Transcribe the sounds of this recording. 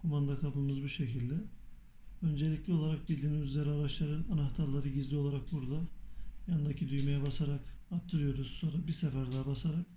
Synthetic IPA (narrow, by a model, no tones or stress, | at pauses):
kʰumand̪akʰapɯmɯzbuʃe̞cʰilʲd̪ɛ | ø̞nd͡ʒe̞lʲiclʲio̞lˠaɾak̚bilʲd̪iːmizyzʲe̞ɾiaɾaʃlˠaɾɯnanaxt̪ʰaɾlˠaɾɯɟizlʲio̞lˠaɾak̚buɾd̪ajand̪acʰid̪yjmejɛbasaɾak | ap̚t̪ʰɯɾɯjo̞ɾuz̥so̞nɾabisefæɾd̪ɛbasaɾak̚